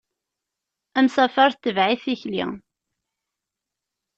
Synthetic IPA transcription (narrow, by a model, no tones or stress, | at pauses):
æmsæfɑɾˤθt̪ːəvʕiθiçlḭ